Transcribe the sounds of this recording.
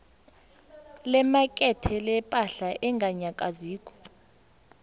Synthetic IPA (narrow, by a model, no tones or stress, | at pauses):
lɛmakʼɛtʰɛlɛpʼaɬaʔɛŋɡʱaɲakʼaziːk̬ʼɔ̥